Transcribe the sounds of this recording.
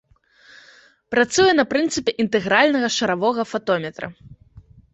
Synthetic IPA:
pɾat̪sujɛnɐpɾɨnt̪sɨpʲɛʔint̪ɛɣɾalʲnɐɣɐʂɐɾavɔɣɐfat̪ɔmʲɛt̪ɾɐ̰

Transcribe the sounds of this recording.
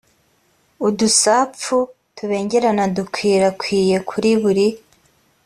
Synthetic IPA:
udusaːp͡fu | tuβe̞ːɲɟe̞ɾanadukʰwiːɾakwiːje̞kʰuɾiβuɾi

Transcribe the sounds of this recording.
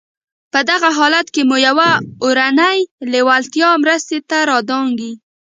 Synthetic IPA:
pəd̪aɣaɦɑlat̪kemujawaoɾanajlewalt̪jɑmɾəst̪et̪aɾɑd̪ɑŋɡi

